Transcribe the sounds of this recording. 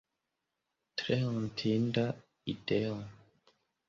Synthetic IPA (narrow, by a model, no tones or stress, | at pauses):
tɾeɔntʰinda | id̥eo